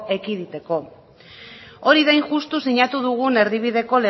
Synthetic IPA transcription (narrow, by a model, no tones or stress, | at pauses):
e̞kiðit̪e̞ko̞ | o̞ɾiðejŋʝust̪usiɲat̪uð̞uɣ̞une̞ɾðiβ̞iðe̞ko̞le